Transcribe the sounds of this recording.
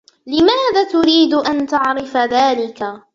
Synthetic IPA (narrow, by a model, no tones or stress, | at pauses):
lɪmaːðaːt̪ʊɾiːd̪ʊʔant̪aʕɾɪfaðaːlɪka